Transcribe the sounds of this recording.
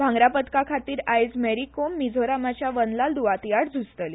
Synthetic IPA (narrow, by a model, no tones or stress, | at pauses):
bʱãŋɡɾapət̪kakʰat̪iːɾajd͡zmeɾikomːid͡zʱoɾamat͡ɕjaʋənlald̪uʋat̪ijaɽd͡zʱust̪əl